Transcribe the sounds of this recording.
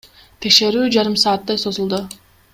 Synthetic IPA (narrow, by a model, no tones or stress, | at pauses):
t̪ʰe̞kʃe̞ɾyːd͡ʒɑɾɯmsɑːt̪ːɑjso̞zulˠd̪ʊ